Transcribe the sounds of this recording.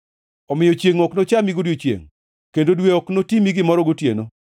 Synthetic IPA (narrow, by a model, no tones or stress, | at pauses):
ɔmɪjɔt͡ʃjeŋɔknot͡ʃamiɡodjot͡ʃjḛŋ | kendodweɔknotimiɡɪmɔɾɔɡotjḛno